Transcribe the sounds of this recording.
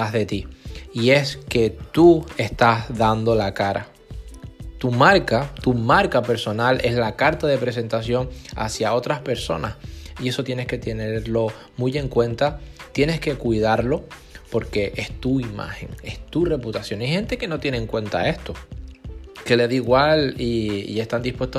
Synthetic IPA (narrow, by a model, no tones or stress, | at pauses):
aɦðe̞t̪iie̞ske̞t̪ue̞st̪azðand̪o̞lakaɾa̰ | t̪umaɾkat̪umaɾkape̞ɾso̞nalʔe̞zlakaɾt̪aðe̞pɾe̞s̬e̞nt̪asjo̞ŋa̰sjao̞t̪ɾaspe̞ɾso̞nasie̞so̞t̪je̞ne̞ske̞t̪e̞ne̞eɾlo̞ | muje̞ŋkwe̞nt̪at̪je̞ne̞ske̞kuið̞aɾlo̞po̞ɾke̞ʔe̞st̪uima̰xe̞̰ŋe̞st̪ure̞put̪asjoŋajxẽ̞nt̪e̞ke̞no̞t̪je̞neːŋkwẽ̞nt̪a̰e̞st̪o̞ | ke̞leðiɣwaliḭe̞st̪and̪ihpwe̞st̪o